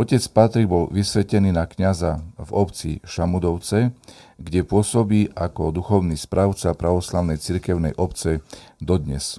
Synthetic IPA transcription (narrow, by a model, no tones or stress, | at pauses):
ɔcɛt͡spat̪ɾiɡ̚bɔlʋisʋɛcɛniːnakɲazavɔpt͡sḭʃamud̪ɔʊt͡sɛɡɟɛpʊɔsɔbiːʔakɔd̪uxɔʊnispɾʔaʊt͡sapɾaʋɔslaʊnɛjt͡siɾkɛʊnɛ̰jʔɔpt͡sɛd̪ɔd̪ɲɛ̰s